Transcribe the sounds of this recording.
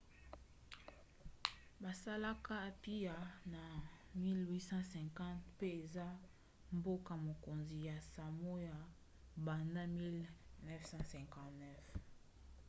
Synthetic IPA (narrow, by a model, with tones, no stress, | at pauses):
ba˨sa˦la˦ka˦˨pi˦ja˨na˨ | mi˦lwi˦sɑ̃˦sɛ̃˨ŋkã˦tpe˦e˨za˦ | mbo˦ka˨mo˨ko˨nzi˨ja˨sa˨mo˦ja˨ | ba˨nda˦mi˦lnɛ˦fsɑ̃˦sɛ̃˨ŋkã˨tnɛ˦f